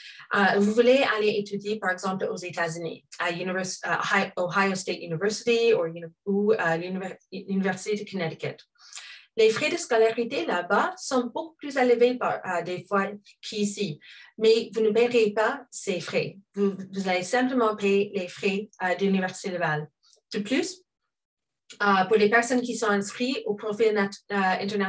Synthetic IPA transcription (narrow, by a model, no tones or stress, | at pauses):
ʔəvuvulealeʔet̪ʰyd̪ipaʁɛɡzɑ̃plozet̪azynḭaynivɛsoɦajost̪et̪jynivɛɹsit̪iuuəlnlynivɛʁsit̪ed̪əkʰənɛtikə̰t̪ | lefχed̪əskɔlaʁit̪elabasɔ̃bokuplyzaləvepaʁəd̪efwa | kʰisimɛvunəpɛʁjepasefχḛvuvuzavesɛ̃pləmɑ̃pelefχɛəd̪əlynivɛʁsi̥t̪eləval | d̪̥əplys | əpuʁd̪epɛʁsɔnk̬ʲisɔ̃ɛ̃skχiopχofilɛ̰̃t̪ɛna